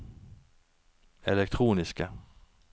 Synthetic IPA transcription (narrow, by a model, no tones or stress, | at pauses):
ɛlɛk̚t̪ʰɾuːnɪska